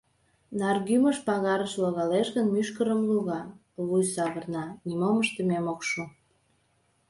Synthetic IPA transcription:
nɑrɣyməʃpɑɣɑɾəʃlɑɣɑleʃɣənmyʃkəɾəmluɣɑ | βujsɑβərnɑnimoməʃt̪əmemokʃo

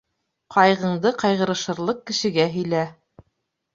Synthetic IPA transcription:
qʰɑjʁɤ̆ɴd̪ɤqɑjʁɤ̆ɾɤ̆ʃɤ̆ɾlˠɤq̚kɘ̆ʃɘ̆ɡæɦɵ̆jlæ

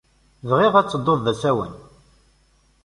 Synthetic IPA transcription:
vʁɪʁæt͡sːəd̪ˤːoððæsæwə̰n

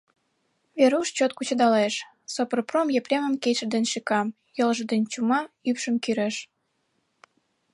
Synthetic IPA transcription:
βeɾuʃt͡ɕot̪̚kut͡ɕə̆d̪ɑleʃ | sopərpromjeprʲemə̆mket͡ɕə̆d̪enʃikɑm | jəlʒəd̪enʲt͡ɕumɑypʃəmkyɾeʃ

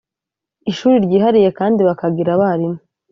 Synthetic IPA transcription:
iʃuːɾiɾɟiːɦaɾije̞kaːndiβakaɡiɾaβaɾimo

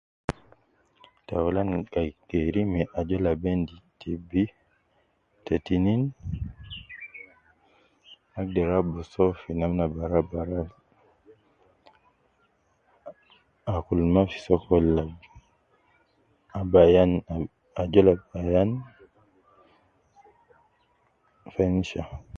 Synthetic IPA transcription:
tawlanɡajkeɾimiʔad͡ʒɔlabenditʰibi | tetinin | aɡ̚dɛɾabɔsɔfinamnabaɾabaɾal | akulmafi̥sɔkɔlab | abajan | ad͡ʒɔlabajan | fɛnʃa

